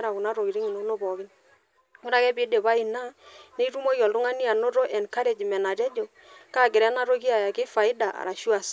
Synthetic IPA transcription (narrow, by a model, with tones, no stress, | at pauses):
ɾa˨ku˨na˦ɾo˨ki˨ɾi˦ŋi˨no˦no˦bɔ˨ɣɪ˦n | kʊ˦ɾa˦kɛ˦bɪ˨˦de˨βa˦i˨na˦ne˦i˦ɾu˦mo˦jɔ˨ldu˦ŋa˦ni˦a˨no˦ɾo˦ʔɛ˨nka˦ɾe˨d͡ʒi˨mɛ˨na˨tɛ˦d͡ʒo˨ | ka˦˨ɡɪ˨ɾɛ˦na˦ɾo˦ki˦a˨ja˨kɪ˦fa˨ɪ˦da˨ʔa̰˨ɾa˨ʃu˦a˨s